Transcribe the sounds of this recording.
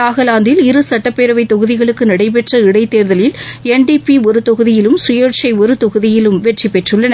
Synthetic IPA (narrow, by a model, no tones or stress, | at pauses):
aːɣɐlaːnd̪ɪlɪɾɯsɐʈːɐpːeːɾɐʋɐɪt̪ːɔɣɯðɪɣɐɭɯkːɯnɐɽɐɪp̬ɛʈrɐɪɽɐɪt̪ːeːɾðɐlɪlɛnɖipiɔɾɯt̪ɔɣɯðɪjɪlɯmsʊjɐɾt͡ʃɐɪɔɾɯt̪ɔɣɯðɪjɪlɯmʋɛʈripːɛʈrɯɭːɐn